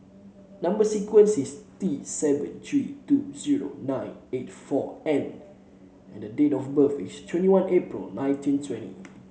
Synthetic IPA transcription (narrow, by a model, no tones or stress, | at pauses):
nãmbəsikwə̃nsist̪isɛvə̰̃ntʰɹituziɹo̰nãɪ̃net̚fɔɛ̃n | ɛ̰̃ndədetɔfbəfistʰwɛ̃ntiwãnepɹḭlnãj̃ntĩntʰwɛ̃ntḭ